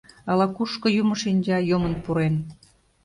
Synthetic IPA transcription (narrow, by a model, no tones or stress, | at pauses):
ɑlɑkuʃkŏjumə̆ʃinʲd͡ʑɑjomə̆npuɾen